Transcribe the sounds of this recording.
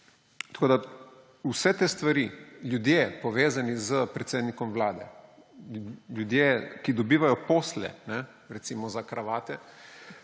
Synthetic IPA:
t̪ɐkoːd̪a | usɛt̪eːst̪ʋaɾiljud̪jepɔʋeːzanizəpɾɛt̪seːd̪nikɔmʋlaːd̪ɛ̰ | ljud̪jekid̪ɔbiːʋajɔpoːslɛ̰nɛ | ɾɛt̪siːmɔzakɾaʋaːt̪ɛ

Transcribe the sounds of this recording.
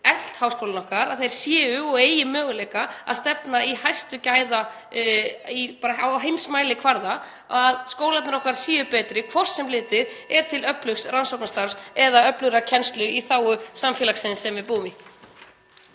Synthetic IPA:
ɛl̥t̪hawskowlnɔhkaɾaðθejɾ̥sjɛːʏɔɣeːjɪmœːɣʏlejkaa̰ðst̪ɛpnaihajst̪ʏcaːjða | ipaːɾaawɦejmsmaːjlɪkʰvaɾða̰ | aðskoːwlat̪nɾɔhkaɾsɛːʏpɛːt̪ɾɪkʰvɔr̥sːɛmlɪːt̪ɪɾɛɾ̥t̪ʰɪlœplʏxsransɔwknast̪aɾ̥sɛðaœplʏɾacʰɛnst̪lʏiθaːwʏsamfjɛlaksɪnsɛmvɪpuːmɪ

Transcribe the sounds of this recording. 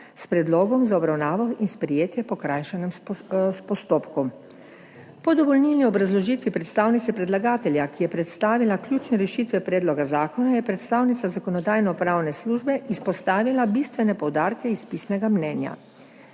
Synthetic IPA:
spɾɛd̪loːɡɔmzaɔbɾawnaːʋɔinspɾijeːt̪jɛpɔkɾaːjʃɛnɛmspɔst̪oːpkɔm | pɔd̪ɔʋɔlnilniɔbɾazlɔʒiːt̪ʋipɾɛt̪st̪aːwnit̪sɛpɾɛd̪laɡaːt̪ɛljakijɛpɾɛt̪st̪aːʋilakljuːt͡ʃnɛɾɛʃiːt̪ʋɛpɾɛːd̪lɔɡazaːkɔnajɛpɾɛt̪st̪aːwnit̪sazakɔnɔd̪aːjnɔpɾaːwnɛsluːʒbɛʔispɔst̪aːʋilabist̪ʋɛnɛpɔwd̪aːɾkɛispisnɛɡamnɛːnja̰

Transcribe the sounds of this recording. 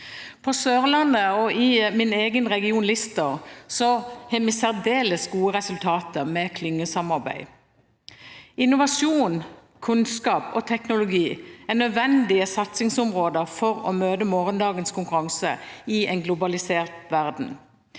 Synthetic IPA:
pʰɔsøːʁəlɑnːəɔɪmɪneːɡənʁɛɡɪuːnlɪst̪əʁsɔhɛmɛsæʁd̪eːləsɡuːəʁɛsʉlt̪ʰɑːt̪əmɛkʰlʏŋːəsɑmɑʁbæ̰ɪ | ɪnʊʋɑʃuːn | kʰʉnskɑːpɔt̪ʰɛknʊlʊɡiːænød̪ʋɛnd̪ɪəsɑt̪sɪŋsʊmʁoːd̪əʁfɔʁɔ̰møːd̪əmoːʁənd̪ɑːɡənskʰʊŋkʉʁɑŋsəɪɛɪnɡlʊbɑlɪseːʁt̪ʋæʁd̪n̩

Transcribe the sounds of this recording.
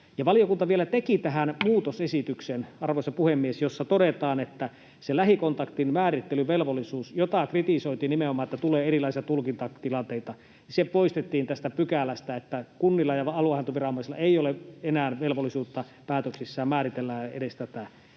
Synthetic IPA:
jɑʋɑlijokunt̪ɑʋielæt̪ekit̪æɦænmuːt̪osesit̪yksenɑrʋosɑpuhemːiesjosːɑt̪odet̪ɑːnet̪ːæ | selæhikont̪ɑkt̪inmæːrit̪ːelyʋelʋolːˑisuːsjot̪ɑkrit̪isoit̪iːnimeomˑɑːnet̪ːæt̪uleːerilˑɑˑisiɑt̪ulkint̪ɑt̪ilɑnt̪eit̪ɑ | nisepoist̪et̪ːiːnt̪æst̪æpykælæst̪æet̪ːækunːilːɑjɑɑluɑhɑnt̪oʋirɑomɑˑisilɑ̰eˑijoleenæːnʋelʋolːˑisuːt̪ːɑ | pæːt̪øksisːæːmmæːrit̪elːæḛdest̪æt̪æ

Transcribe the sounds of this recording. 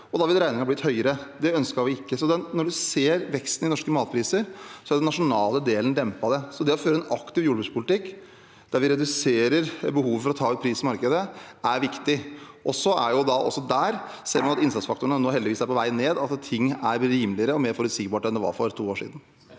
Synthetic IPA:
ɔd̪ɑʋɪlɾæɪnɪŋɑblɪt̪hœʏəɾəd̪ɛœnskəɑɾʋɪɪkːəsɔd̪ɛnnɔɖʉseːɾʋɛkst̪n̩ɪnɔʂkəmɑːt̪̚pʰɾiːsəɾsɔæɖ̪ɛnɑʂʊnɑːləd̪eːlənd̪ɛmpɑd̪ɛsɔd̪ɛɔføːɾəɛnʔɑkt̪ɪʋjuːɖbʉːspʰʊlɪt̪ɪkː | d̪̥æɾʋɪɾɛd̪ʉseːɾəɾbəhuːʋəfɔɾɔt̪ʰɑːʉt̪̚pʰɾiːsɔmɑɾkəd̪əʔæɾʋɪkt̪ɪʔɔsɔæ̰jʊd̪ɑʔɔ̰sːɔd̪æːɾ | seːɾmɑnɑt̪ɪnsɑt̪sfɑkt̪ʊəɳnənoːɦɛld̪ɪʋiːsd̪æɾpʰɔʋæɪneːd̪ɑt̪t̪ʰːɪŋːæɾɾiːmlɪəɾəɔmeːɾfɔɾʉt̪sɪɡbɑːʈɛnd̪ɛʋɑ̰ːɾfɔɾt̪ʰuːoːʂḭːd̪n̩

